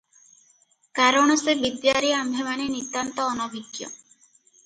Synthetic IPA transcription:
kaɾɔɽ̃ɔsebid̪jaɾiambʱemanenit̪ant̪ɔːnɔbʱiɡjɔ̰

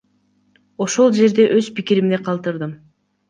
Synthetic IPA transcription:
o̞ʃo̞lˠd͡ʒe̞ɾd̪e̞ʔø̞zpikiɾimniqʰɑlˠt̪ɯɾd̪ɯm

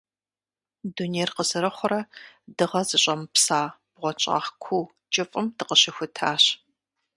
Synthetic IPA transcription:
duneːjrqəzɨɾɐχʷʊɾɐdɨʁɐzɨɕʼɐmpsaːb̥ʁʷɔt͡ʃʼa̰ːχkʷʰuː | t͡ʃʼɪfʼɨmdɨqəɕɪxʷʊtʰaːɕ

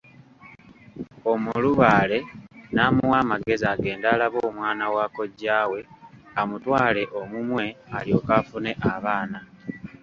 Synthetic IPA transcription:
o̞muluβaːle̞naːmuwaːmaɡe̞zaɡe̞ːndaːlaβoːmwaːnawaːko̞ɟːaːwe̞ | amutwaːle̞ʔo̞mumwe̞aljo̞ːkafune̞ʔaβaːna

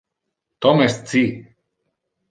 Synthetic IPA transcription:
t̪omest͡si

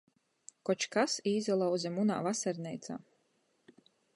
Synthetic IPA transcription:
kɔt͡ʃkasiːzʲalˠawzʲɛmuna̰ːvasaɾnʲɛjt̪sa̰ː

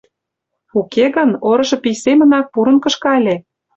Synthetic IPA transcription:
ukeɣə̆noɾɤ̆ʃɤ̆pijsemə̆nɑk̚puɾɤ̆nkɤ̆ʃkɑlʲe

